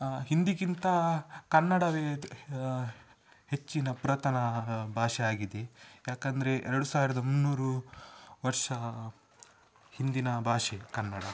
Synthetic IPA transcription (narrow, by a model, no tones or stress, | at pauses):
ɦind̪iɡint̪ɐkɐnːɐɽɐʋeː | het͡ʃːinɐpuɾɐt̪ɐnɐbʱaːʂɛaːɡid̪e̞jaːkɐnd̪ɐɾe̞ʔɛɾɐɽusaːʋiɾɐd̪ɐmunːuːɾu | ʋɐɾʂɐ | hind̪inɐbʱaːʂekɐnːɐɽɐ